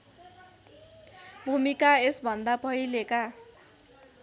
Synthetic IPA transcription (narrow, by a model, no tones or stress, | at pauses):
bʱumikaesbʱʌnd̪apʌɦileka